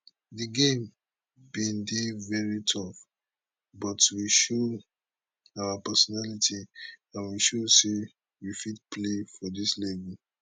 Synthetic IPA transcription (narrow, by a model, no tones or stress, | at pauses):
diɡẽm | bĩndevɛɹitʰɔf | bɔtwiʃo | awapɛsɔnalitiãnwiʃose | wifidpʰlefɔdislɛɡɔ